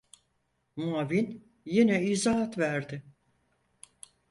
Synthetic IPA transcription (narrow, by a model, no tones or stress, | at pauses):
muavin | jinɛizaɦat̪væɾd̪ɪ